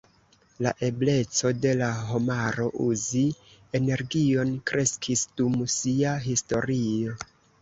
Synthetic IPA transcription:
la̰ʔe̞ble̞t͡so̞de̞laɦo̞maɾo̞ʔuzi | e̞ne̞ɾɡio̞nkɾʔe̞skʰisdumsiaɦisto̞ɾio̞

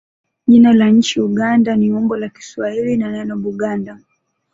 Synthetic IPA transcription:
ʄinalaɲ̩t͡ʃiuɠandaniɔmbɔlaki̥swahilinanɛnɔɓuɠanda

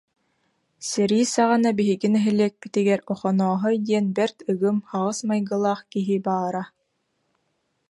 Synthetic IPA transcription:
sɛɾiːsaʁanabiɦiɡinɛɦilɛːk̚bit̪iɡɛɾɔχɔnɔːɦɔd̪iɛnbɛɾt̪ɯɡɯmχaʁɯsmajɡɯlˠaːχkiɦibaːɾa

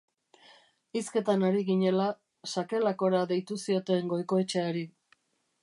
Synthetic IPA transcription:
iske̞t̪anaɾiɣiɲe̞la | sake̞lako̞ɾaðe̞jt̪usio̞t̪e̞ŋɡo̞jko̞et͡ʃe̞aɾi

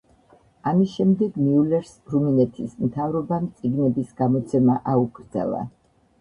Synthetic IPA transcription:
amisʃɛmd̪ɛɡniulɛɾsɾuminɛt̪ʰismt̪ʰavɾɔbamt̪sʼiɡnɛbisɡamɔt̪sʰɛmaʔauɡɾd̪zɛ̰lˠa̰

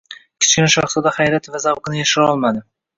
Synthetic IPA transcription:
kʲʰɪ̥t͡ʃkʲɪnɪʃɑχsɒd̪aχajɾat̪ʰvazawqɨnɪjaʃɪɾɒlˠmad̪ɪ

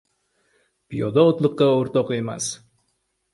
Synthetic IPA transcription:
pijɒd̪aɒt̪lˠɨqːɑoɾt̪ɒqe̞ma̰s

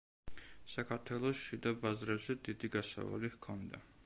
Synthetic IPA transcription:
sakʰaɾt̪ʰwɛlˠɔsʃid̪abazɾɛbzɛd̪id̪iɡasa̰va̰lihkʰɔnd̪a

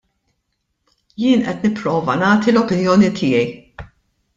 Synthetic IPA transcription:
jɪːnʔɛt̪nɪpːɾɔːvɐnɐːt̪ilɔpɪnjɔːnit̪ʰɪːjɛj

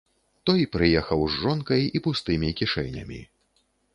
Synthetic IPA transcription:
t̪ɔjpɾɨjɛxɐwzːɔnkɐjipust̪ɨmʲikʲiʂɛ̰jnʲɐ̰mʲḭ

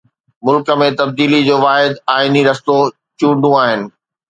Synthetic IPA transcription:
mʊlkə̆mẽt̪ɐb̚d̪iːlid͡ʑoːʋaːɦɪd̪aːɪniɾɐst̪o | t͡ɕũːɳɖũaːɦɪnɪ̆

